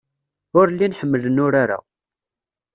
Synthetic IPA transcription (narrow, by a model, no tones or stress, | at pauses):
ʊɾlːinħəmːələnʊɾaɾa̰